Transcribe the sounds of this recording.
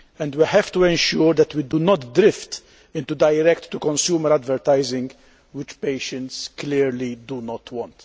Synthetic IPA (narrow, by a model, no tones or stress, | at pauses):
ɛ̃nd̪wihɛvt̪uɛ̃nʃuːɾd̪ɛt̪wid̪unɔt̪d̪ɾɪft̪ | ɪ̃nt̪ud̪ɐjɾɛkt̪ːukɔ̃nsjuːməɾæd̪vɛɾt̪ajzɪ̃ŋɡ | wɪt͡ʃpeːʃə̃nt̪sklɪɾlid̪unɔt̪wɔ̃nt̪